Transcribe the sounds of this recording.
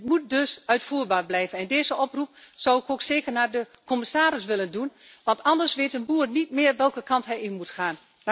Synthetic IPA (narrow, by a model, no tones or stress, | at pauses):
ətmut̚døsœɥtfuːɹbaːrblɛjvənɛndeːzəʔɔprup̚sawɪkoːkseːkərnaːɹdəkɔmɪsaːɾɪsʋɪləndun | ʋɑntʰɑndəɹsʋeːtənbuːərnitmɪːərʋɛlˠkəkɑntɦɛjɪmutχaːn